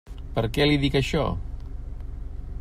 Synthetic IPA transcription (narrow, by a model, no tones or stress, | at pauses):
pəɾkɛliðikəʃɔ̰